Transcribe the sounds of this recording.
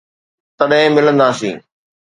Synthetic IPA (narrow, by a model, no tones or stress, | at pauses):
t̪ɐɗɦɪ̃mɪlə̃nd̪aːsḭ̃ː